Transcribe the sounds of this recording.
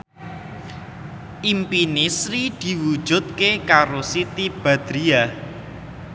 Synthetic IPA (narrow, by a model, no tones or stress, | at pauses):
ʔimpinisɾid̪̥i̤wud̥ʒ̥ʊ̤t̪̚kekaɾosit̪ib̥a̤d̪̥ɾia